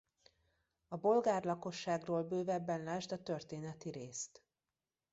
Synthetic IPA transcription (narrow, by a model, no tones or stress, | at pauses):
ɒbo̞lɡaːrlɒko̞ʃːaːɡroːlbøːvɛbːɛnlaːʒt̪ɒt̪ørt̪eːnɛt̪iɾeːst̪